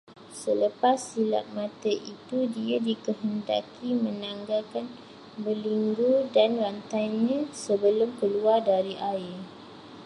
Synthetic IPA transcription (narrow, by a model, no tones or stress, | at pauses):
sələpasːila̰t̪̚mãt̪əʔit̪udiadikəɦənda̰kʰimə̃naŋɡakan | bəliŋɡudanrant̪ajɲãsəbəlʊmkəluardaɾiʔaɪr